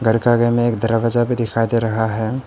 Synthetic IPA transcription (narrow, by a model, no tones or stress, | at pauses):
ɡəɾkaɡəmẽeːkd̪əɾʋad͡ʒabʱid̪ɪkʰaid̪eɾɐɦaɦɛ